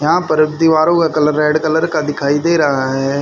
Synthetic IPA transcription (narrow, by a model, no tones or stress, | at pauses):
jãːpɐɾɪbd̪iʋaːɾoːɡɐkɐlɐɾeːɽkɐlɐɾkad̪ɪkʰaːid̪eːɾaːɦe